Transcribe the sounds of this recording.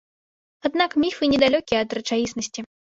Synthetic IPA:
ad̪nakmʲifɨnʲɛd̪alʲɔkʲijɛɐd̪rɐt͡ʂajʲisnɐsʲt͡sʲi

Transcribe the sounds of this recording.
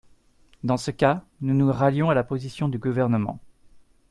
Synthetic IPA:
d̪ɑ̃səka | nunuʁaljɔ̃alapozisjɔ̃d̪yɡuvɛʁnəmɑ̰̃

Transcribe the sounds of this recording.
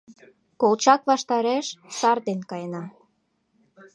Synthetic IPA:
kolt͡ɕɑkβɑʃt̪ɑɾeʃsɑrd̪enkɑjnɑ

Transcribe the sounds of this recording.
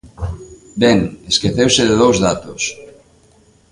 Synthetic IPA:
bɛŋeskeθewsɪðeðowzðat̪ʊs

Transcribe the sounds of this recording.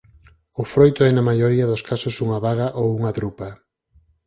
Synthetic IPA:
ofɾojt̪oɛnamajoɾiɐðoskasosuŋaβaɣaʔowuŋɐt̪ɾupa

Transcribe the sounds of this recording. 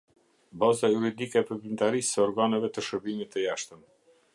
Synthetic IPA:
bazajuɾid̪ikɛpəɾpɾint̪aɾisːəɔɾɡanɛvɛt̪əʃəɾbimit̪ːəjaʃt̪əm

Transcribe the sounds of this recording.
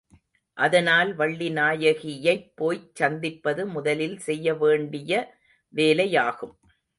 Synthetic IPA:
ʔɐðɐnaːlʋɐɭːinaːjɐɣɪjɐɪpːoːjt͡ʃːɐnd̪ɪpːɐðɯmʊðɐlɪlsɛjːɐʋeːɳɖɪjɐ | ʋeːlɐjaːɣɯm

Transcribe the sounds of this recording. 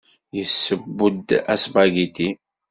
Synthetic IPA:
jəsːəbːʊd̪æsbæɡit̪i

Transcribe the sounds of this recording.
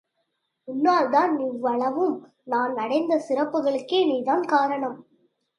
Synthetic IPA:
ʊnːaːɭd̪aːnniːʋːɐɭɐʋɯm | naːnnɐɽɐɪnd̪ɐsɪɾɐpːɯɣɐɭɯkːeːniːðaːnkaːɾɐɳɐm

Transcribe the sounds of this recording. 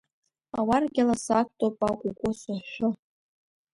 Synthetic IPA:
awarɡʲalasakʷʰtʰʼopʼakʷʼukʷʼʊsaʃᶣʷʊ

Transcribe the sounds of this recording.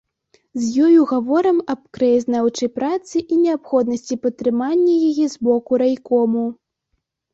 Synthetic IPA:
zʲjɔjuɣavɔɾɐmɐpkɾɐjɐznawt͡ʂɐjpɾat̪sɨʔinʲɛapxɔd̪nɐsʲt͡sʲipɐt̪ːɾɨmanʲːɐjajɛzbɔkuɾajkɔmu

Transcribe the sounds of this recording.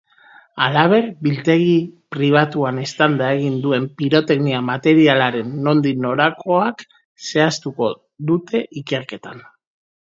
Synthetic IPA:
alaβ̞e̞ɾbilt̪e̞ɣipɾiβ̞at̪uane̞st̪and̪ae̞ɣ̞ind̪ue̞mpiɾo̞t̪e̞ɣniamat̪e̞ɾialaɾe̞nːo̞nd̪ino̞ɾakʰo̞ak | se̞ast̪uko̞ | ðut̪e̞ʔike̞ɾke̞t̪an

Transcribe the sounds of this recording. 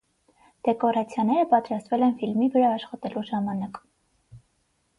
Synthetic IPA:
d̪̥ɛkɔɾɑt͡sʰjɑnɛɾəpɑt̪ɾɑst̪vɛlɛnfilmivəɾɑːʃχɑt̪ɛluʒɑmɑnɑk

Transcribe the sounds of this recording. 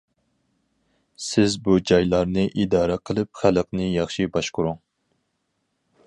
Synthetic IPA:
sɪzbud͡ʒɑjlˠɑɾnɨʔid̪ɑːɾɛqʰəlˠɨp̚χæləqnɨjɑχʃibɑʃqʊɾuŋ

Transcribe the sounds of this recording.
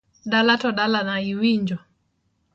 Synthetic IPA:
dalatɔdalanaiwiɲd͡ʒɔ

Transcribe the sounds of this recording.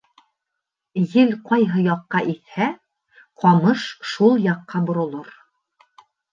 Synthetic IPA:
jɘlqɑjɦɤjɑqːɑʔiθhæ | qʰɒmɤʃʃulˠjɑqːɑbŏɾŏlˠɤɾ

